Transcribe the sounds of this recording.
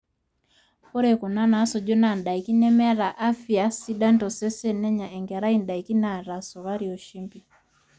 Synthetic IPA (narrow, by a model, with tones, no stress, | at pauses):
kɔ˦ɾɛ˨ku˨na˦na˨˦sɔ˨d͡ʒɔ˦na˨n˨da˨i˨ki˦nɛ˦mɛ˦ɾa˨ʔa˦fi˨a˨si˦ɗa˦ntɔ˨sɛ˦sɛ˦nɛ˦ɲa˨ʔɛ˨ŋɡɛ˨ɾa˦i˦nda˨i˨ki˦na˨ɾa˨sɔ˨βa˦ɾi˨ɔ˨ʃi˦mbi˦